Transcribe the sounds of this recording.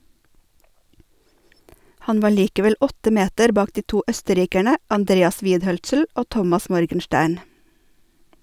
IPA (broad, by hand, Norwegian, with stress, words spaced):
ˈhɑn ˈʋɑː ˈɭiːkəʋɛl ˈɔtə ˈmeːtəɾ ˈbɑːk ˈdiː ˈtuː ˈœstəˌɾiːkæɳə ɑnˈdɾeːɑs ˈʋiːdˌhœlsl̩ ˈoː ˈtɔmɑs ˈmɔɾɡənˌʃtæːɳ